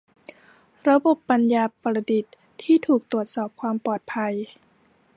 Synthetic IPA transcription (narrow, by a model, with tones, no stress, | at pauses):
ɾa˧bo˨˩pːa˧njaː˧pa˧la˧di˨˩t̪ʰːiː˥˩t̪ʰuː˨˩k̚t̪u˨˩ət̪̚sɔː˨˩p̚kʰwaː˧mpɔː˨˩t̪̚pʰa˧j